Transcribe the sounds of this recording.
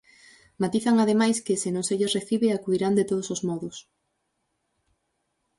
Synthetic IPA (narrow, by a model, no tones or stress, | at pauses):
mat̪iθaŋaðemajskɪsɪnõŋseʎesreθiβɪakuðiɾand̪et̪oð̞ʊsosmɔðʊs